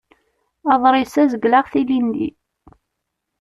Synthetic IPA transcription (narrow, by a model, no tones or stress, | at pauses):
ɑðˤɾˤɪsæzəɡlaʁθilinːḭ